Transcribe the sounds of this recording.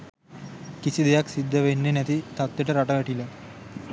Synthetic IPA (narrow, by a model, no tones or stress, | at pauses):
kisid̪ejaksid̪ʱːəʋenːenɛt̪it̪at̪ːjeʈəɾaʈəɡaʈila